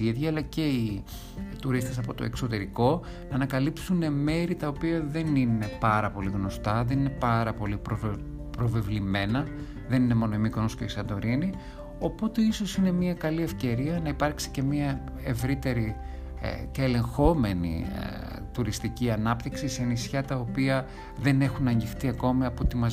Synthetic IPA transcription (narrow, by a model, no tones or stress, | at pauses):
iðjɐːlɐce̞i | t̪uɾist̪e̞s̬ɐpo̞t̪o̞̰ekso̞t̪e̞ɾiko̞ | nɐːnɐkɐlipsune̞me̞ɾit̪ɐopiɐðe̞nine̞pɐɾɐpo̞liɣno̞st̪ɐðe̞nine̞pɐɾɐpo̞lipɾo | pɾo̞ve̞vlime̞nɐ | ðe̞nine̞mo̞noimikonoscoisɐnd̪o̞ɾini | o̞po̞t̪e̞iso̞sine̞miɐkɐlie̞fce̞ɾiɐnɐipɐɾksi̥ce̞miɐ | e̞vɾit̪e̞ɾḭ | ceːle̞ŋxo̞me̞nḭ | t̪uɾist̪iciɐnɐpt̪iksiseenisçɐt̪ɐopiɐ | ðe̞ne̞xunɐɲɟixt̪iɐko̞miɐpot̪imɐz